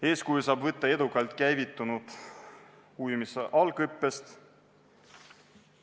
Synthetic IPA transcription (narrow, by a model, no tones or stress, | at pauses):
e̞ːskujsɑːbvɤt̪ːɑe̞d̪̥ukːˑɑlt̪ˑkæjvit̪ːˑunud̪̥ | ujmisʔɑlɡɤpːest̪